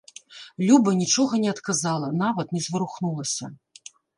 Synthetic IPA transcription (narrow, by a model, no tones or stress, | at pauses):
lʲubɐnʲit͡ʂɔɣɐnʲɛɐt̪kazalˠɐnavɐt̪nʲɛzvɨɾuxnulˠɐsʲɐ